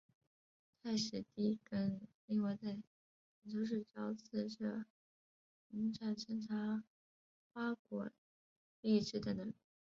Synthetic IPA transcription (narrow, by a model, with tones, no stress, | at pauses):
t̪ʰa˥˩ɪʂɻ̩˧˥t̪i˥˩kə˥nli˥˩ŋwa˧˥t͡sa˥˩ɪ˨˩ | t͡ɕo˥˧ʊʂ̬ɻ̩˥˧ʈ͡ʂɑ˥ʊt͡s̩ʰ˥˩ʈ͡ʂɤ˥˧˩ | i˧˥nʈ͡ʂʰa˨˩t͡ɕʰɛ˥nʈ͡ʂʰa˧˥ | xwa˥kwɔ̰˨˩˦ | li˥˧ʈ͡ʂɻ̩˥˩d̪ə˩nə˧˥˩